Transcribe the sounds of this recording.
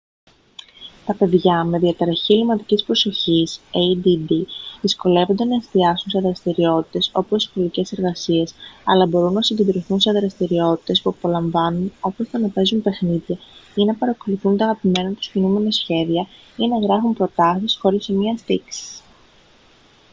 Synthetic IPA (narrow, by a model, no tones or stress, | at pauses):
t̪ɐpe̞ðʝɐme̞ðiɐt̪ɾɐçilimɐt̪icispɾo̞so̞çiseid̪id̪iðisko̞le̞vond̪e̞nɐest̪iɐsunse̞ɐðɾɐst̪iɾio̞t̪i̥t̪e̞so̞posispolice̞se̞ɾɣɐsie̞sɐ̰lɐbo̞ɾunːɐsiɲded̪ɾoθunse̞ɐðɾɐst̪iɾio̞t̪i̥t̪e̞spuɐpo̞lɐɱvɐnuno̞post̪eɐnɐpe̞zunpe̞xniðʝɐinɐpɐɾɐko̞luθunt̪ɐɐɣɐpime̞nɐt̪u̥scinume̞nɐsçe̞ðiɐ | inɐɣɾɐfumpɾo̞t̪ɐsisxo̞ɾisemiɐst̪iksi̥s